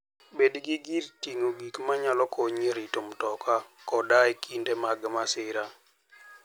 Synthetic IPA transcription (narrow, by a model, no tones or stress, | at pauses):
bedɡiɡirtiŋoɡikmaɲalɔkʰoɲeɾitomtɔkakɔdajkʰindemaɡmasɪɾa